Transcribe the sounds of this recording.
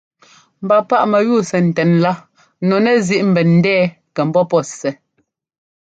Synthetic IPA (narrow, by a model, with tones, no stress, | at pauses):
m̩˨ba˨pa˦ʔmɛ˨juː˦˨sɛ˨n̩˨tɛ˨nla˦ | nɔ˨nɛ˦zi˦ʔm̩˨bɛ˨n̩˦dɛː˦ | kɛ˨m̩˦bɔ˦pɔ˦sɛ˨